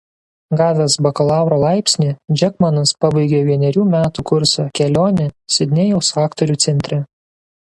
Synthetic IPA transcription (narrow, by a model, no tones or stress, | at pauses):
ɡɑːʋʲɛsbɐkɐlˠɑˑʊɾoːlˠɑˑɪpʲsʲnʲiːd͡ʒʲɛkmɐnɐspɑbɐɪɡʲeʋʲiɛnʲɛɾʲuːmʲæːt̪uːkʊɾsokʲɛlʲoːnʲɛsʲɪd̪ʲnʲɛjɛʊsɑːkt̪ɔɾʲuːt̪sʲɛnʲt̪ʲɾʲɛ